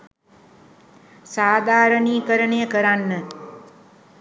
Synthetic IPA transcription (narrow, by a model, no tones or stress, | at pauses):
saːd̪ʱaːɾəɳiːkəɾəɳjəkəɾanːə